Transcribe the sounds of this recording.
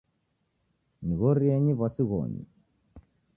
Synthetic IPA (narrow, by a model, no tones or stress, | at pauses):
niɣɔɾiɛɲiβasiɣɔ̰ɲḭ